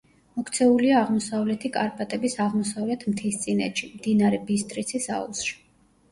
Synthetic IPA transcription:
mɔkʰt̪sʰɛuliaːʁmɔsavlɛt̪ʰikʼaɾpʼat̪ʼɛbisaʁmɔsavlɛt̪ʰmt̪ʰist̪sʼinɛ̰t̪ʃimd̪inaɾɛbist̪ʼɾit̪sʰisa̰ṵsʃi̥

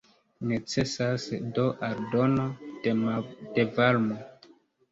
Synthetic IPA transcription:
net͡se̞sasdoʔaɾdo̞no | d̥evalmo

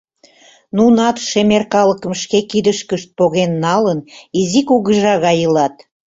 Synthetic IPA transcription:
nunɑt̪ʃemerkɑləkəmʃkekid̪əʃkəʃt̪̚poɣenːɑlənizikuɣəʒɑɣɑjəlɑt̪

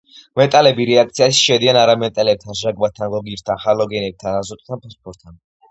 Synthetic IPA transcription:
mɛt̪ʼalɛbiɾɛak̚ʰt̪sʰiaʃi̥ʃɛd̪ianaɾamɛt̪ʼɛlɛp̚t̪ʰanʒaɡbat̪ʰanɡɔɡiɾt̪ʰanχalɔɡɛnɛp̚t̪ʰanazɔt̪ʼt̪ʰanpʰaspʰɔɾt̪ʰːan

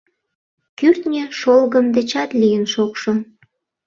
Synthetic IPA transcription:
kyrt̪nʲeʃolɣəmd̪et͡ɕɑt̪lijənʃokʃo

